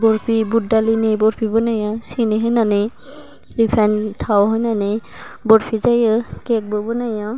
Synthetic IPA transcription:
bɔɹpʰibudalinibɔɹpʰibɔnajɔsiniɦɔjnane | lipʰantʰawɦɔjnane | bɔɹpʰizajɔkɛk̚bɔbɔnajɔ

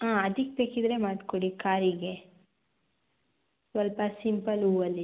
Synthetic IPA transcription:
aːɐd̪ikbeːkid̪ɾe̞maːɖkoɽikaːɾiɡe | sʋɐlpɐsimpɐluːʋɐlːi

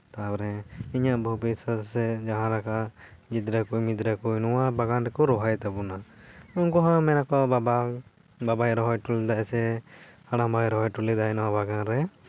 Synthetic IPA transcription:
t̪abɾɛiɲaʔbʱɔbisasɛd͡ʒaɦãɾakaɡid̪ɾakujmid̪ɾakujnɔwabaɡanɾɛkɔɾɔɦajt̪abunaunkɔɦãmɛnakɔaba | babajɾɔɦɔjʈulɛd̪aɛsɛhaɽ̃ãmbʱajɾɔɦɔjʈulɛd̪ajnɔwabaɡanɾɛ

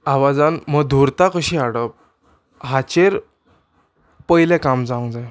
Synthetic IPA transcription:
aʋad͡zanməd̪ʱuɾt̪akəɕiːaɽəp̚ | ɦat͡ɕeɾ | pəjlɛ̃kamd͡zaũd͡zaj

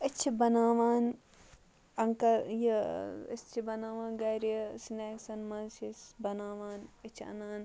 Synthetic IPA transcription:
ɪt͡ʃʰibɐnaːʋaːn | ɐŋkɐjiḭst͡ʃʰibɐnaːʋãːnɡɐjɾiɐsineːksɐnmɐnsisbɐnaːʋaːnɪt͡ʃʰɐ̰naːn

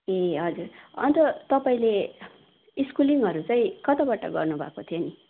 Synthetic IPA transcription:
eɦʌd͡zurʌ̰nt̪ʌt̪ʌpaĩle | iskuliŋɡɦʌɾut͡saĩkʌt̪abaʈʌ̰ɡʌrnubʱa̰kot̪ʰijoni

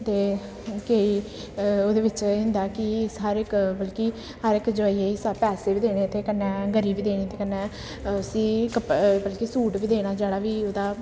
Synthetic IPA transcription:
t̪eː | kei | oːd̪eːʋɪt͡ʃɦɪ̃nd̪aːkɪsəɾɪkbəlkiː | həɾɪkd͡ʒoaːiːeisapɛːseːiːd̪eːɽ̃eːt̪eːkənːɛ̃ːɡəɾiːbiːd̪eːɽ̃eːt̪ʰeːkənːɛ̃ː | ʊsĩːkəpbəlkiːsuːʈʋiːd̪eːɽ̃aːd͡ʒeːɽaːʋiːoːd̪aː

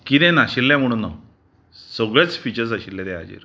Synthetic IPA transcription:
kit̪ẽnaɕilːɛm̤əɽ̃uːnːa | səɡɭat͡sfit͡ɕəɾs̬aɕilːɛt̪ɛa̰d͡ʑḭɾ

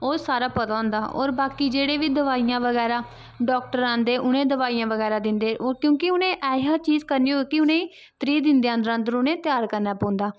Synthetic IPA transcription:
oːsaːɾaːpət̪aːʊ̃nd̪aːʔɔ̰ːɾbaːkiːd͡ʒeːɽeːʋiːd̪əʋaːijãːʋəɡɛːɾaː | ɖɔːk̚ʈəɾãːnd̪eːʔʊnẽːd̪əʋaːiːjãːʋəɡɛːɾaːd̪ɪnd̪eːkjõːkɪʊnẽːʔɛːɦaːt͡ʃiːzkəɾniːɦoːekɪʊnẽːiː | t̪ɾiːd̪ɪnd̪eːãə̃ːnd̪əɾãːnd̪əɾʊnẽːt̪ɪjaːɾkəɾnaːpɔ̃ːnd̪aː

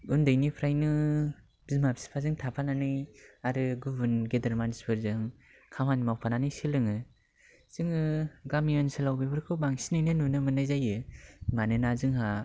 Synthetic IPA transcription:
ɡundɯjnipʰɾajnɯ | bzimapsi̥pʰazɯŋtʰapʰananɯjaɾɯɡɯbɯnɡedaɾmansbʰɯɾzɯŋ | kʰamanimawpʰananɯjsilɯŋɯ | z̥ɯŋɯɡamiɯnsɯlawbebɯɾkʰɯbaŋsinɯjnɯnunɯmɯnɯjzajɯmanɯnazɯŋɦa

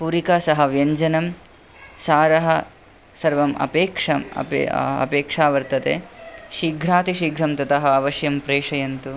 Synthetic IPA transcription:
puɾikaːsɐɦɐʋjɐɲd͡ʒɐnɐm | saːɾɐɦɐ | sɐɾʋɐmʔɐ̰peːkʂɐm̰pɐ̰peːkʂaːʋɐɾt̪ɐt̪ḛːʃiɡʱɾaːt̪iʃiɡʱɾɐmt̪ɐt̪ɐɦɐɐʋɐʃjɐmpɾeːʂɐjɐnt̪u

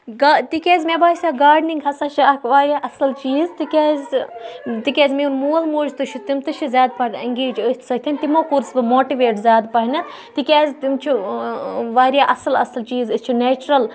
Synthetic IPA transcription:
ɡat̪ikʲeːzʲmebaːsʲaɡaːɾɖniŋɡɦɐsaʃaakʰʋaːɾʲjaʔɐsɐlt͡ʃiːzt̪ikʲaːzʲ | t̪ikʲeːzʲmeːnmoːlmoːd͡ʒt̪ɨʃʰit̪imt̪ɨʃʰizʲaːd̪̚pɐʈʲɐŋɡeːd͡ʒət̪ʰsɐt̪ʰʲɐnʲt̪imokuɾsbɨmoːʈiʋeːʈzʲaːd̪pɐɦnɐ | t̪ikʲaːzʲt̪imt͡ʃʰu | ʋaːɾjaːʔɐsɐlɐ̰sɐlt͡ʃiːzɨst͡ʃʰuneːt͡ʃɾɐl

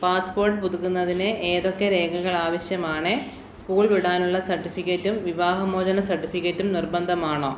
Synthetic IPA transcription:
paːspo̞ːrʈɨpuðukːunːɐðinɨʔeːðo̞kːeɾe̞ːkɐɣɐɭaːʋɐɕjɐmaːɳɨ | skuːɭʋiɽaːnuɭːɐsɐrʈːifikʲːɐtːumʋiʋaːɦɐmoːd͡ʑɐnɐsɐrʈːifikːɐtːumnirbɐnd̪ʱɐmaːɳoː

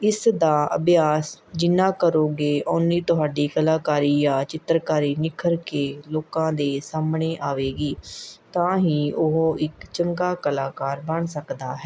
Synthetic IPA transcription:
ɪsd̪aːə̰bjaːsd͡ʒɪnãːkəɾoːɡeːʔʊniːt̪ʊɦaːɖiːkəlaːkaːɾiːjãːt͡ʃɪt̪ɾkaːɾiːnɪkʰəɾkeːloːkãːd̪eːsaːmɳeːʔaːʋeːɡiːt̪ãːɦiːʊɦoːʔɪkt͡ʃəŋɡaːkəlaːkaːɾbəɳsəkd̪aːɦɛː

